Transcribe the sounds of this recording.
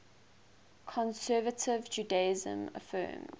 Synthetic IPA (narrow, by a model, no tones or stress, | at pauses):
kʰɔ̃nsɜːvətʰɪvd͡ʒuːdeɪzə̰̃mə̰fɜ̰ːm